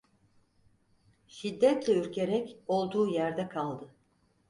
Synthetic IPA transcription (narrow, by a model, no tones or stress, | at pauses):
ʃid̪ːɛt̪lʲɛyɾcʰe̞ɾɛco̞lˠd̪uːjæɾd̪ɛkʰalˠd̪ɯ